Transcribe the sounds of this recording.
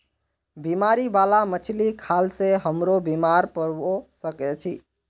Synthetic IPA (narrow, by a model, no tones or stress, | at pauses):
bimaɾibalamət͡ʃʰlikʰalseɦəmɾobimaɾpəɾosəkɛt͡ʃʰi